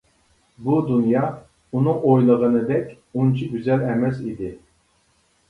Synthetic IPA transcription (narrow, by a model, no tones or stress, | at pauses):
bud̪unjɑ | unuŋojlˠəʁənɨd̪ɛkʲ | unt͡ʃʰiɡʲyzɛlɛmɛsid̪ɪ